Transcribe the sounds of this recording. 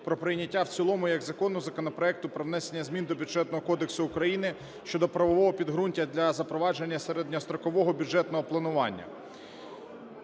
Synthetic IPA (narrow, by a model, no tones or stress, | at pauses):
pɾɔpɾɪjnʲɐtʲːawt͡sʲilˠɔmʊjɐɡzɐkɔnːʊzɐkɔnɔpɾɔɛk̚t̪ʊpɾɔʋnɛsenʲːɐzʲmʲind̪ɔbʲʊʒɛt̪nɔɦɔkɔd̪e̞ksʊːkɾɐjinɪ | ʃt͡ʃɔd̪ɔpɾɐʋɔʋɔɦɔpʲid̪ɦɾunʲtʲɐd̪lʲɐzɐpɾɔʋɑd͡ʒenʲːɐseɾed̪ʲnʲɔst̪ɾɔkɔʋɔɦɔbʲud͡ʒɛt̪nɔɦɔplˠɐnʊʋɑnʲːɐ̰